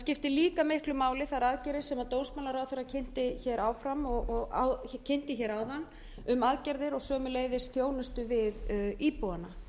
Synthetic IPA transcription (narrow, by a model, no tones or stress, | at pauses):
scɪft̪ɪliːkamɪhklʏmaːwlɪθaɾaðcɛɾðɪsɛmaðt̪oːwsmawlaɾawθɛɾacʰɪn̥t̪ɪçɛɾʔaːwfɾamɔɣɔɣa̰wcʰɛn̥t̪ɪçɛɾaːwðanː | ʏmaðcɛɾðɪɾɔɣsœːmʏleːjðɪsθjoːwnʏst̪ʏvɪðiːpowanːa